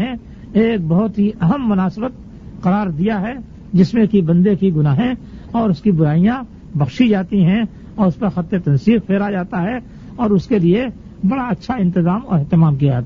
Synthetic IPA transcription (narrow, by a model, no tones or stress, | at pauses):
ẽ | eːk̚bɐɦʊt̪ɦiʔɐɦəmːʊnaːsbət̪̚ | qɐɾaːɾd̪ijaɦɛ | d͡ʒɪsmẽkibɐ̃nd̪ekiɡʊnaːɦẽ | ɔːɾʊskibʊɾaːijã | bɐxʃid͡ʒaːt̪iɦɛ̃ | ɔːɾʊspɐɾxɐt̪ːet̪ɐ̃nsiːq̚pʰeːɾad͡ʒaːt̪aɦɛ | ɔːɾʊskelie | bɐɽaɐtːʃʰaɪ̃nt̪ɪzaːmɔ̰ːɾɛɦt̪ɪmaːmk̬ijad͡ʒaːt̪a